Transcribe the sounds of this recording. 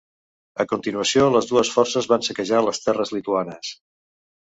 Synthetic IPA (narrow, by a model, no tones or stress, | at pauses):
əkunt̪inuəsioləzðuəsfɔrsəzβansəkəʒaləst̪ɛrəzlit̪uanəs